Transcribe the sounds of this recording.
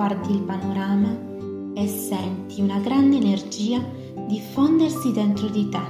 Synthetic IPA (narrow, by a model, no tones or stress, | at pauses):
art̪iːlpanoɾaːma | esːɛnt̪ʰiunaɡɾand̪eːnerd͡ʒiːa | d̪ifɔnd̪ersid̪ent̪ɾod̪it̪ɛ